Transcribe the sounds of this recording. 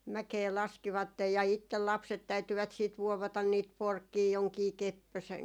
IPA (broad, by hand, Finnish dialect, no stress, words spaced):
mækeː lɑskiʋɑtːej jɑ itːel lɑpset tæytyʋæt siːt ʋuoʋɑtɑn niːt porkːiː joŋkiː kepːøsen